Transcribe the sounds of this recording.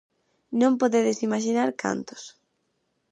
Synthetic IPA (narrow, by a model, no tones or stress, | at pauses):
nõmpoðɛðɪsimaʃ̬inaɾkʰa̰nt̪ʊ̥s